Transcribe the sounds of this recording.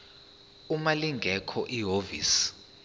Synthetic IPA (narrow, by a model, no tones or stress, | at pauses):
umaliŋɡʱɛkʰɔʔiɦovḭːs